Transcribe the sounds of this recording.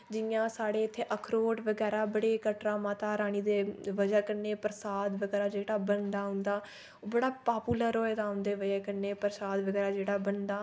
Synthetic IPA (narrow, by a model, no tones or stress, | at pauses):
d͡ʒɪjãːsaːɽeːɪt̪ʰːeːʔəkʰɾoːʈʋəɡɛːɾaːbəɽeːkəʈɾãːmaːt̪aːɾaːɳ̃iːd̪eːʋəd͡ʒaːkəɾneːpɾəsaːd̪ʋəɡɛːɾaːd͡ʒeːɽaːbənd̪aːɦʊ̃nd̪aː | oːbəɽaːpaːpuːləɾɦoːeːd̪aːɦʊ̃nd̪eːʋəd͡ʒaːkəɾneːpɾəsaːd̪ʋəɡɛːɾaːd͡ʒeːɽaːbəɳd̪aː